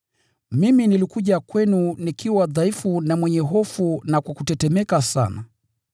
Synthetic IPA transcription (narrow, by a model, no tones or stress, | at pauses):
miminilikuʄakwɛnunikʰiwaðaifunamwɛɲɛɦɔfunakwakutɛtɛmɛkasa̰na